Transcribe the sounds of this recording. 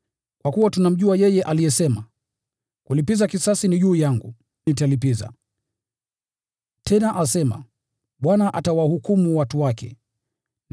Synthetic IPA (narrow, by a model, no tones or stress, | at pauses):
kwakuwatunam̩ʄuajɛjɛʔalijɛsɛma | kulipizakisasiniʄuːjaŋɡṵ | nit̬alipiza̰ | tʰɛnaʔasɛma̰ | ɓwanaʔatawahukumuwatuwakɛ̰ | n